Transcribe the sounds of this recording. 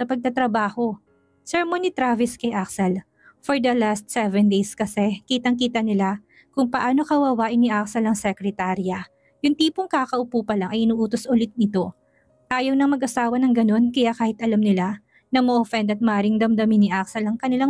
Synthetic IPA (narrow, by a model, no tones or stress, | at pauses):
sɐpɐɡ̚t̪ɐt̪ɾɐbaːho̞ | sɛɹmonit̪ɾavɪskɐjʔaksɛl | foɹd̪ɐlast̪̚sɛvɛnd̪ejskɐsɛkiːt̪ɐŋkiːt̪ɐnɪla | kʊŋpɐʔaːno̞kɐwɐwaːʔɪnːɪʔaksɛlɐŋsɛkɾɛt̪aɾjɐ | jʊŋt̪iːpoŋkakɐʔʊpuːpɐlaŋʔɐjʔɪnuːʔuːt̪osʔʊlɪt̪̚nɪt̪o̞ | ʔaːjɐwnɐŋmɐɡʔɐsaːwɐnɐŋɡɐno̞nkɐjakaːhɪt̪ʔɐlɐmnɪla | nɐmɐʔofɛnd̪ɐt̪̚mɐʔaːɾɪŋd̪ɐmd̪ɐminɪʔak̚sɛlɐŋkɐnɪla